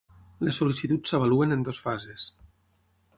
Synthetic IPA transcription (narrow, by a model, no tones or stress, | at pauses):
lesolisit̪ut͡ssəβ̞aluenend̪osfazes